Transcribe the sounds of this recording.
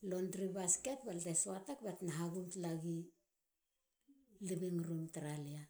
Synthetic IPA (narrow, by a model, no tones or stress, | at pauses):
lo̞ndɾibaske̞t̚baltesoatakbatnaɦaɡumtlaɡi | libiŋɾumtɾalia